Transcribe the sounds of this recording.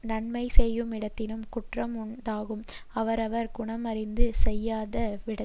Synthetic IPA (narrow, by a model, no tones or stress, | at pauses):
nɐɳmɐɪsɛjːɯmɪɽɐt̪ːɪnɯmkʊʈrɐmʊɳɖaːɣɯmɐʋɐɾɐʋɐɾɡʊɳɐmɐɾɪnd̪ɯsɛjːaːðɐʋɪɽɐ